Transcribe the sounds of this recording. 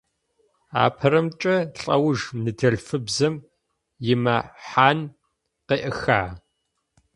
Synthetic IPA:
a̰ːpʰɐɾɐmt͡ʃʼɐɬʼɐwʒnɨdʰɐɮfɨbzɐm | jɪmɐħaːn | qeːʔɐxaː

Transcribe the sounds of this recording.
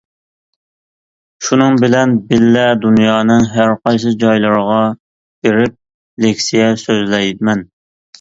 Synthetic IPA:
ʃunɨŋbɪlɛnbɪlːɛd̪unjɑːnɨŋɦæɾqɑjsɨd͡ʒɑjlˠəɾəʁɑ | beɾɪp̚ | lekʲsijɛsøzlɛjd̪ɪmɛn

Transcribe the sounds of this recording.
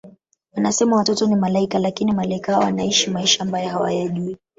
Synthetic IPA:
wanasɛmawatɔtɔnimalaikalakinimalaikahaɔwanaiʃimaiʃaːmbajɔɦawa̰jaʄui

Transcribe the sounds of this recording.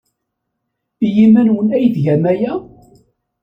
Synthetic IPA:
ijimænwənæjðʝæmæjæ

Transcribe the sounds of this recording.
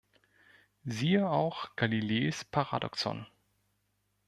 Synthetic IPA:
ziːəaʊxɡ̥alileːspʰaʁa̰dɔ̰ksɔ̰n

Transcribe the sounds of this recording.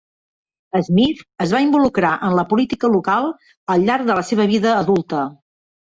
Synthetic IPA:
əzmifəzβaimbulukɾaʔənləpulit̪ikəlukalˠ | əlˠʎːaɾɡ̚ðələseβ̞əβ̞iðəːðulˠt̪ə

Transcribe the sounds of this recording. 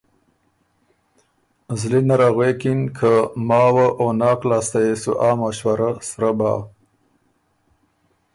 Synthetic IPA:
zlinaɾaɣwekinkʰəmɑːwaʔonɑːklaːst̪ajesuʔaːmaʃwaɾasɾaba̰ː

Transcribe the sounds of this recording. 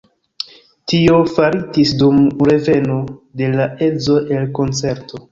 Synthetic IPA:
tio̞faɾitisdumɾe̞ve̞no̞de̞laʔe̞d͡zo̞ʔe̞lko̞nt͡se̞ɾto̞

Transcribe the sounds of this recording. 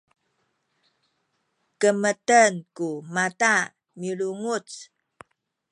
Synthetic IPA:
kəmətənkumata | miɭuŋut͡s

